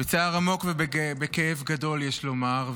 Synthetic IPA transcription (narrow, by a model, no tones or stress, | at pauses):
bet͡saːʁamo̞kvebebekeevɡado̞ljeʃlo̞maʁ